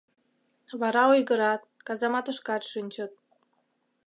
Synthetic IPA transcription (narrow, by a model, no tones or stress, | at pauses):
βɑɾɑojɣəɾɑt̪̚ | kɑzɑmɑt̪əʃkɑt̪ʃynʲt͡ɕət̪̚